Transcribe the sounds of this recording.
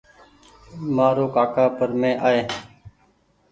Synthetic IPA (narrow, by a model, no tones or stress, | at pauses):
maːɾoːkaːkaːpəɾmẽːʔaːeː